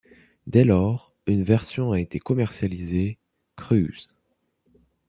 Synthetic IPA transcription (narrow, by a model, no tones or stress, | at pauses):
d̪ɛlɔʁ | ynvɛʁsjɔ̃aet̪ekɔmɛʁsjalize | kχy̰z̥